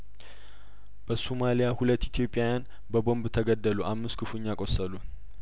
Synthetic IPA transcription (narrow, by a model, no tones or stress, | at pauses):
b̥əsomalijahulət̪ːit̪ʰjo̞pʼːjawjan | bəbo̞mbt̪ʰəɡəd̪ːəluʔamːɨskʰɨfuɲːakʼo̞sːəlu